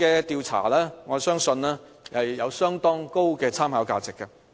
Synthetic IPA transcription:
ɛː˧t̪iː˨˧wt͡sʰa̰ː˨˩lɛː˥ŋɔː˨˧sœː˥ŋsɵ˧nlɛː˥ | hɐ˨jjɐ˨˧wsœː˥ŋt̪ɔː˥ŋko˥wkɛː˧t͡sʰaː˥mhaː˨˧˥wkaː˧t͡sɪ˨kːɐ˧

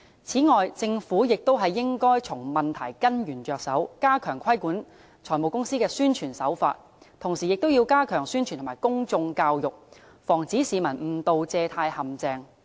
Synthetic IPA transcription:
t͡sʰiː˨˥ŋɔː˨jt͡sɪ˧ŋfuː˨˥jɪ˨k̚t̪o˥wɦɐ˨jːɪ˥ŋkɔː˥jt͡sʰʊ˨˩ŋmɐ˨nt̪ʰɐ˨˩jkɐ˥njyː˨˩nt͡ʃœː˨k̚sɐ˨˥wkaː˥kʰœː˨˩ŋkʷʰɐ˥jkuː˨˥n | t͡ʃʰɔː˨˩jmo˨˩wkʊ˥ŋsiː˥kɛː˧syː˥nt͡ʃʰyː˨˩nsɐ̰˨˥wfa̰ː˧t̚ | t̪ʰʊ˨˩ŋsiː˨jɪ˨k̚t̪o˥wjiː˧wkaː˥kʰœː˨˩ŋsyː˥nt͡ʃʰy˨t̪ʰaː˨˩jkʊ˥ŋt͡sʊ˧ŋkaː˧wjʊ˨k̚ | fɔː˨˩ŋt͡siː˨˥siː˨˧mɐ˨˩nm̩˨˩t̪o˨wt͡sɛː˧t̪ʰaː˧jhɐ˨mt͡sɛː˧ŋ

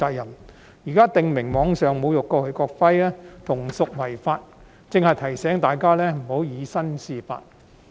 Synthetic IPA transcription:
aː˧k̚jɐ˨˩n | jiː˨kaː˥t̪ɪ˨ŋmɪ˨˩ŋmɔː˨˧ŋsœː˨ŋmo˨˧wjʊ˨˩kːɔː˧hɵ˨˧ɥkɔː˧k̚fɐ˥jaː˥t̪ʰʊ˨˩ŋsʊ˨k̚wɐ˨˩jfaː˧t̚ | t͡sɪ˧ŋhɐ˨jt̪ʰɐ˨˩jsɛː˨˥ŋt̪aː˨jkaː˥lɛː˥m̩˨˩ho˨˥wjiː˨˧sɐ˥nsiː˨˧fa̰ː˧t̚

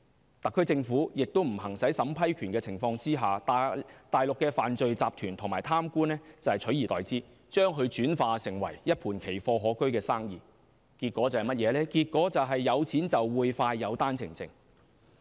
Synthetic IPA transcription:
t̪ɐ˨kʰːɵ˥ɥt͡sɪ˧ŋfuː˨˥jɪ˨k̚t̪o˥wm̩˨˩ɦɐ˨˩ŋsɐ˨˥jsɐ˨˥mpʰɐ˥jkʰyː˨˩nkɛː˧t͡sʰɪ˨˩ŋfɔː˧ŋt͡siː˥ɦaː˨t̪ːt̪aː˨jlʊ˨kːɛː˧faː˨nt͡ʃɵ˨ɥt͡saː˨pt̪ʰyː˨˩nt̪ʰʊ˨˩ŋmaː˨˩jt̪ʰaː˥mkuː˥nɛ˥t͡sɐ˨whɐ˨jt͡ʃʰɵ˨˥ɥjiː˨˩t̪ɔː˨˩jt͡siː˥ | t͡ʃœː˥ŋɦɵ˧ɥt͡ʃyː˨˥nfaː˧sɪ˨˩ŋwɐ̰˨˩jjɐ˥t̚pʰuː˨˩nkʰe˨˩jfɔː˧ɦɔː˨˥kɵ˥ɥkɛː˧saː˥ŋjiː˨˩ | kiː˧t̚kʷːɔː˨˥t͡sɐ˨˩whɐ˨jmɐ˥t̚jɛː˨˧lɛː˥kiː˧t̚kɔː˨˥t͡sɐ˨wɦɐ˨jːɐ˨˧wt͡sʰiː˨˥nt͡sɐ˨wwuː˨˧jfaː˧jːɐ˨˧wt̪aː˥nt͡sʰɪ˨˩ŋt͡sɪ̰˧ŋ

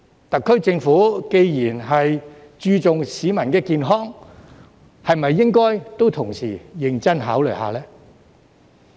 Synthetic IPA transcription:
t̪ɐ˨kʰːɵ˥ɥt͡sɪ˧ŋfuː˨˥ke˧jjiː˨˩nɦɐ˨j | t͡ʃyː˧t͡sʊ˨ŋsiː˨˥mɐ˨˩nkɛː˧kiː˨nɦɔː˥ŋ | hɐ˨jmɐ˨jːɪ˥ŋkɔː˥jt̪o˥wt̪ʰʊ˨˩ŋsḭː˨˩jɪ˧ŋt͡sɐ˥nɦaː˨˥wlɵ˨˩jhaː˨lɛː˥

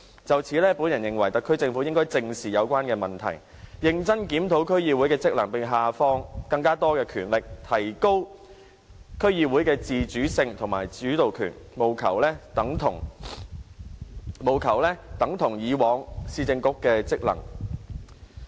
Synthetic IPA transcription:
t͡sɐ˨wt͡sʰiː˨˥lɛː˥puː˨˥njɐ˨˩njɪ˨ŋwɐ˨˩jt̪ɐ˨kʰːɵ˥ɥt͡sɪ˧ŋfuː˨˥jɪ˥ŋkɔː˥jt͡sɪ˧ŋsiː˨jɐ˨˧wkʷaː˥nkɛː˧mɐ˨nt̪ʰɐ̰˨˩j | jɪ˨˧ŋt͡sɐ˥nkiː˨˥mt̪ʰo˨˥wkʰɵ˥ɥjiː˨˧wuː˨˥jkɛː˧t͡sɪ˥k̚lɐ̰˨˩ŋpɪ˨ŋɦaː˨fɔː˥ŋkɐ˧ŋkaː˥t̪ɔː˥kɛː˧kʰyː˨˩nlɪ˨k̚t̪ʰɐ˨˩jko˥w | kʰɵ˥ɥjiː˧wuː˨˥jkɛː˧t͡siː˨t͡ʃyː˨˥sɪ˧ŋt̪ʰʊ˨˩ŋma̰ː˨˩jt͡syː˨˥t̪o˨wkʰy̰ː˨˩nmo˨wkʰɐ˨˩wlɛː˥t̪ɐ˨˥ŋt̪ʰʊ˨˩ŋ | mo˨˩wkʰɐ˨˩wlɛː˥t̪ɐ˨˥ŋt̪ʰʊ˨˩ŋjiː˨˧wɔː˨˧ŋsiː˧t͡sɪ˧ŋkʊ˥kːɛː˧t͡sɪ˥k̚lɐ̰˨˩ŋ

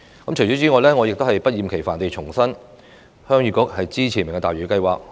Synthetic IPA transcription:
kɐ˨˥mt͡ʃʰɵ˨˩t͡ɕɔː˨˥t͡siː˨˥ŋɔː˨˧˥lɛː˥ŋɔː˨˧jɪ˨k̚t̪o˥hɐ˨jpɐ˥t̚jiː˨˩mkʰe˨˩jfaː˨˩nt̪e˨jt͡ʃʰʊ˨˩ŋsɐ˥n | hœː˥ŋjyː˧˥kʊ˥k̚hɐ˨jt͡siː˥t͡ɕʰiː˨˩mɪ˨˩ŋɛ˧t̪aː˨jɥyː˨˧˥kɐ˧jwa̰ː˨k̚

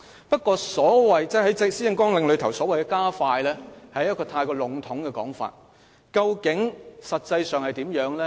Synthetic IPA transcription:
pɐ˥t̚kʷɔː˧sɔː˨˥wɐ˨˩jt͡sɛː˥˩hɐ˨˥jt͡sɪ˧siː˥ɪ˧ŋkɔː˥ŋlɪ˨˧ŋlɵ˨˧ɥt̪ʰɐ˨˩wsɔː˨˥wɐ˨jkɛ˧˥kaː˥faː˧jlɛː˥hɐ˨jjɐ˥tkɔː˧t̪ʰaː˧jkɔː˧lʊ˨˩˥ŋt̪ʰʊ˨˥ŋkɛ˧kɔː˨˥ŋfa̰ː˧t̚ | kɐ˧wkɪ˨˥ŋsɐ˨t̚t͡sɐ˧jsœː˨ŋhɐ˨˩jt̪iː˨˥mjœː˨˥ŋlɛː˥

